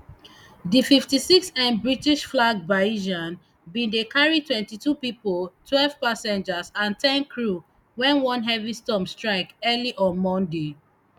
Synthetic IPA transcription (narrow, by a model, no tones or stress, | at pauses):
dififtisiksɛ̃nbɹitiʃflaɡ̚baiʒãn | bĩndekaɹitwɛ̃ntitupipoltwɛlv̥pasɛ̃nd͡ʒasãntʰɛ̃nkʰɹu | wɛ̃nwɔ̃nɦɛvistɔ̃mstɹaɪkɛliʔɔ̃mɔ̃nde